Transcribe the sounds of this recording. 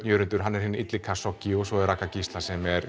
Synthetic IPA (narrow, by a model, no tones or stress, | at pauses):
jœːɾʏnt̪ʏɾ̥ɦanːɛɾ̥hɪnːit̪lɪkʰasɔcːɪɔsɔɛɾakacist̪lasɛmɛɾ